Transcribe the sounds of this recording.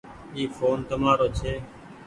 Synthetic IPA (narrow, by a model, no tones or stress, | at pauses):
iːfoːnt̪əmaːɾoːt͡ʃʰeː